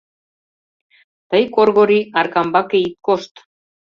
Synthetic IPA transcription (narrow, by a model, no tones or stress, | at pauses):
t̪ajkoɾɣoɾiaɾkambakejkːost̪